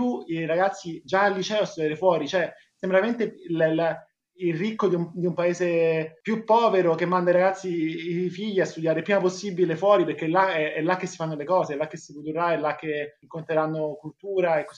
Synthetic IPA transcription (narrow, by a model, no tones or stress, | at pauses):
uiɾaɡat̪sːid͡ʒaːlːit͡ʃɛoast̪ud̪jaːɾefwɔːɾit͡ʃoɛ | sembɾaement̪ell | ilrikːod̪iumd̪iumpaeːzepjupːɔːveɾokemːand̪aiɾaɡat̪sːiːfiʎːiast̪ud̪jaːɾepɾiːmaposːibilefwɔːɾipeɾk̟ːelːaɛɛlːak̟ːesːifanːolekɔːzeɛlːakːesːipud̪uɾɾaɛlːak̟ːeŋkont̪ɾeɾanːokult̪uːɾaekːo